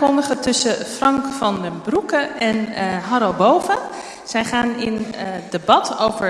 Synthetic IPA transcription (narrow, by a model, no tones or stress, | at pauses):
kɔndəχətɵsəfrɑŋkfɑndəbrukəɛnɦɑɾobowvə | z̥ɛjχaːnɪndebɑtowvəɹ